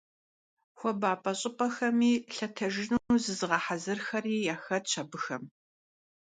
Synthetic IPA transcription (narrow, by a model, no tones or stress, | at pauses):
xʷɔbaːpʼɐɕʼɪpʼɐxɐmiːɬɐtʰɐʒɪnuːnuːzɨzɨʁɐħazɨrxɐriːjaːxɐtt͡ʃʰɐbɨxɐm